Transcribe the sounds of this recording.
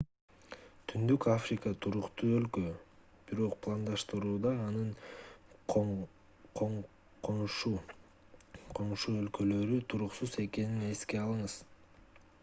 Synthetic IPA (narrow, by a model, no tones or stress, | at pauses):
t̪ʰynd̪ykafrʲɪkət̪ʰuɾuqt̪uːø̞lkø | b̥iɾo̞q̚pʰlˠand̪ɑʃt̪ɯɾuːd̪ɑːnɯɴ | q | qʰo | qʰo̞ɴʃuø̞lkø̞lø̞ɾyt̪ʰuɾuqsuze̞ke̞nine̞ske̞ɑlˠɯɴɯz̥